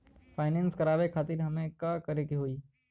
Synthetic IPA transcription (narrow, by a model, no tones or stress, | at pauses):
fʰaːɪnɛ̃ːnskɐɾaːʋekʰaːt̪iːɾɦɐmẽkaːkɐɾekiɦoːiː